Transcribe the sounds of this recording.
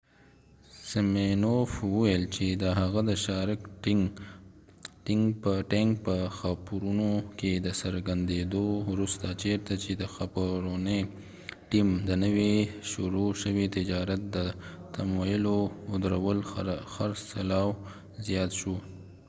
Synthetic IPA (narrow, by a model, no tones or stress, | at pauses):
sɪmenofwuwjlt͡ʃed̪əɦaɣad̪əʃɑɾk | ʈɪŋɡpəʈeŋk̚pəxapuɾunoked̪əsəɾɡand̪ed̪owɾust̪at͡ʃeɾt̪at͡ʃed̪əxapoɾone | ʈimd̪ənəweʃʊɾoʃəwit̪ɪd͡ʒɑɾat̪̚d̪ət̪amojəloʊd̪ɾawəlxaɾssalɑw | zijɑt̪ʃo